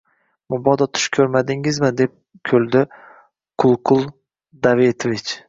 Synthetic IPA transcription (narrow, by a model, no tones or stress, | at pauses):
mʊbɒd̪ɒt̪ʰʊ̥ʃkʲʰɵɾmad̪ɪŋɪzmɪd̪ep̚ | kʲʰɵld̪ɪ | qʰʊlˠqʰʊlˠ | d̪avet̪ʰovɪt͡ʃ